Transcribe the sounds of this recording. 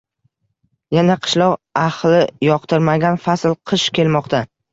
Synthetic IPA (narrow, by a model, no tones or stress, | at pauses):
janaqʰɨ̥ʃlˠɒqaχlˠɪjɒqt̪ɪɾmaɡʲanfaslˠqʰɨʃkʲʰe̞lmɒqt̪ʰa